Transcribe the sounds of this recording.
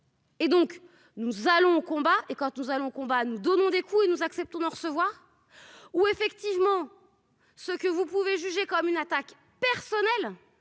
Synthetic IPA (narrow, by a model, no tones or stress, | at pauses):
ed̪ɔ̃k | nuzalɔ̃okɔ̃baʔekɑ̃t̪nuzalɔ̃okɔ̃banud̪ɔnɔ̃d̪ekʰuenuzaksɛp̚t̪ɔ̃d̪əʁəsəvwaːʁ | uefɛkt̪ivmɑ̃ | səkəvupuveʒyʒekɔmynat̪ak | pɛʁsɔnɛl